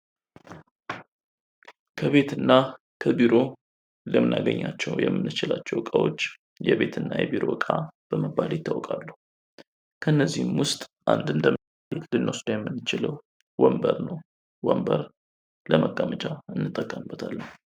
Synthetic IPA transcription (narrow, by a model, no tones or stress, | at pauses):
kʰəβe̞t̪ɨnːa | kʰəbiɾo̞ | ləmɨnʔaɡəɲːat͡ʃːɛwjɛmːɨnːɨt͡ʃɪlat͡ʃːɛwkʼawo̞̰t͡ʃː | jɛβe̞t̪ʰɨnːajɛbiɾo̞̰kʼab̥əməbalɪt̪ʰːawkʼalːuhu | kʰəɨnːəzːihɨmwʊst̪ʼʔand̪ɨnd̪ə | bet̪lɨnːosd̪̥ajɛmːɨnːɨt͡ʃɪləw | wɔmbəɾnəw | wəmbəɾ | ləməɡːamət͡ʃʼaɨnːɨt̪ʼːəkʼːəmɨbːət̪ʰalːəh